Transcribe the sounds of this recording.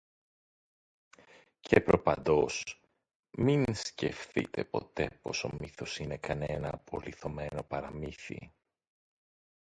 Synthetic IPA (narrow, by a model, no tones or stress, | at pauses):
cʰepɾo̞pɐnd̪o̞s | minsce̞̰fθḭt̪e̞po̞̰t̪e̞po̞so̞miθo̞sine̞kɐnenɐːpo̞liθo̞me̞no̞pɐɾɐmiθḭ